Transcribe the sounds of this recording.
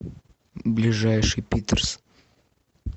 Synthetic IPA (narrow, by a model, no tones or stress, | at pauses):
blʲɪʐajʂɨjpʲit̪ərs